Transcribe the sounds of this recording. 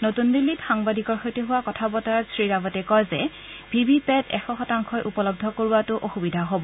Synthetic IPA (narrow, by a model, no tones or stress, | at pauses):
notundilːitxaŋbadʱikɔɹxojtuɦʊwakɔtʰabɔtaɹsɹiɹaɡɔtɛkɔjzɛ | bʱibipɛtɛ̰xɔxɔtaŋkʰɔjʔupɔlɔb̚dʱɔkoɹuatʊʔoxubidʱaɦobɔ